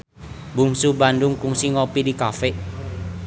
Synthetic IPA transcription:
buŋsubandʊŋpuŋsiŋopidikafeʔ

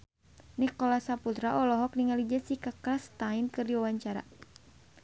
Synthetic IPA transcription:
nikɔlasaput̪ɾaʔɔlɔɦɔk̚niŋalid͡ʒasihkakɾast̪ainkɨrdiwawaɲt͡ʃaɾa̰

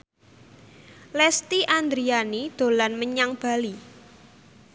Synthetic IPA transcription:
lɛst̪iʔand̪ɾianid̪̥o̤lanməɲaŋb̥a̤li

